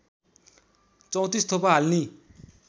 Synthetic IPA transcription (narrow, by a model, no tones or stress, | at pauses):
t͡sʌw̃t̪ist̪ʰopaɦalni